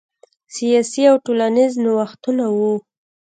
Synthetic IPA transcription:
sijɑsiawʈolanɪznwaxt̪unawu

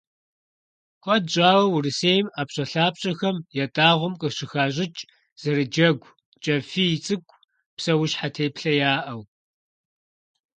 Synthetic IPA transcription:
kʷʼɐdʑʼaːwɐwʊrɨseːjmaːpɕʼɐɬaːpɕʼɐxɐmjɛtʼaːʁʷʊmqʼəɕɪxaːʑɪt͡ʃʼ | z̥ɐrɨd͡ʒɐɡʷ | t͡ʃʼɐfiːjɪt͡sʼɨɡʷʰʼ | psɐwʊʃħatʰeːpɬɐjaːʔɐw

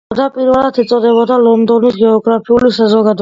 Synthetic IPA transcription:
d̪apʼiɾvɛlˠat̪ʰɛt̪sʼɔd̪ɛbɔd̪alɔnd̪ɔnisɡɛɔɡɾapʰiulisazɔɡad̪

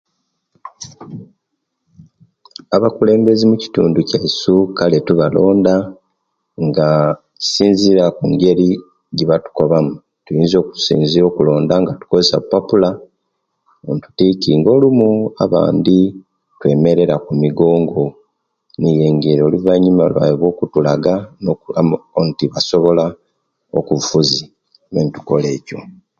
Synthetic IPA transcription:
aβakule̞ːmbe̞zimuci̥tṵːnducaisukaletuβalo̞ːnda | ŋɡa | ci̥siːnziɾakuŋɡe̞ɾi | ɟiβatu̥ko̞βamu | tujiːnzo̞ːku̥sḭːnziɾo̞ːkulo̞ːndaŋɡatu̥kozesa̰pːapula | ontu̥ticiŋɡo̞lumua̰βa̰ːndi | twe̞me̞ɾe̞ɾakumiɡo̞ːŋɡo̞ | nije̞ːŋɡeɾoluvaɲːumalwa̰joβwo̞ːkutulaɡanoontiβaso̞βo̞la | o̰kufuzi | nentu̥ko̞le̞ːco̞

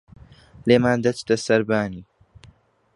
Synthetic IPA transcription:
leːmaːnd̪ɐt͡ʃt̪ɐsɐɾbaːniː

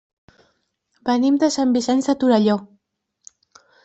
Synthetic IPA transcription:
bənimd̪əsambisɛnzðət̪uɾəʎo

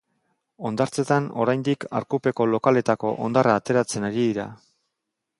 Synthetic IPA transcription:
o̞nd̪aɾt͡se̞t̪ano̞̰ɾajnd̪ika̰ɾkupe̞ko̞lo̞kale̞t̪ako̞ʔo̞̰nd̪araːt̪e̞ɾat͡se̞naɾiðiɾa̰

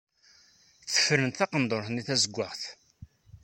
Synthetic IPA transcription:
θə̥fɾənt̪θɑqənd̪ˤoɾθniθæzəɡʷːəʁθ

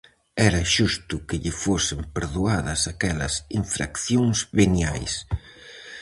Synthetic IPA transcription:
ɛɾɐʃust̪ʊkɪʎɪfosɪmpeɾðuaðɐsakɛlɐ̰siɱfɾa̰kθjoŋzβenjajs

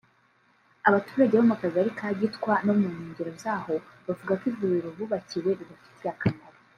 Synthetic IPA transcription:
aβatuːɾaɟeβamakaziaɾikʰaːɟitkwanomuɲiːɲɟiɾozaːho̞βavuɡakivuβiɾoβuβaciwe̞βidafi̥tijakanaɾa

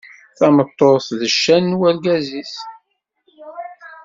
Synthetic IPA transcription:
θæmət̪ˤːoθðəʃːænːwælɡæzis

